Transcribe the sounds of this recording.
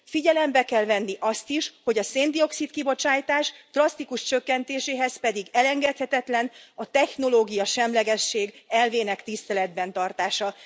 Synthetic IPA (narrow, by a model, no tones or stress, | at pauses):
fiɟɛlɛmbɛkɛlvɛnːiʔɒst̪iʃho̞ɟɒseːnd̪io̞ksit̪kibo̞t͡ʃaːjt̪aːʃd̪̥rɒst̪ikuʃt͡ʃø̞kːɛnt̪eːʃeːɦɛzpɛd̪iɡɛlɛŋɡɛt̪hɛt̪ɛt̪lɛnɒt̪ɛxno̞loːɡijɒʃɛmlɛɡɛʃːeːɡɛlveːnɛkt̪ist̪ɛlɛd̪̚bɛn̪t̪ɒrt̪aːʃɒ